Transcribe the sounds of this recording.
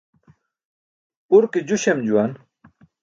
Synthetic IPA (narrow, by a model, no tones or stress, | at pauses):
uɾkid͡ʑuɕemd͡ʑuwan